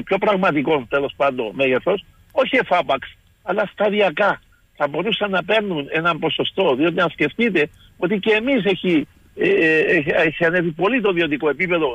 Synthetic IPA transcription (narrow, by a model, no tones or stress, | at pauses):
pço̞pɾɐɣmɐt̪iko̞nt̪elo̞spand̪o̞meɣeθo̞s | o̞çefapɐks | ɐlast̪ɐðiaka | θɐbo̞ɾusɐnːɐpe̞ɾnune̞nɐmpo̞so̞st̪o̞ðio̞t̪̬iɐnsce̞ft̪it̪e̞ | o̞t̪ice̞ːmis̬e̞çi | eeeçianetipo̞lit̪oðjo̞t̪̬iko̞e̞pipe̞ðo̞